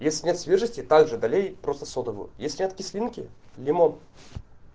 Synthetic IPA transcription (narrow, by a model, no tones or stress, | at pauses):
jesʲlʲɪnʲet̪sʲvʲeʐəsʲtʲɪt̪aɡʐɨd̪ɐlʲejpɾo̞st̪ə̥sod̪əvʊ̰jʊ̰jesʲlʲɪnʲet̪kʲɪsʲlʲinkʲɪ̰lʲɪmon